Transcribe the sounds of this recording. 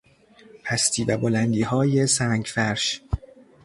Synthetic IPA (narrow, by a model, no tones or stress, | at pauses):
pʰæst̪ʰiːvæbolænd̪iːhɒːje̞sæːŋɡfæɾʃ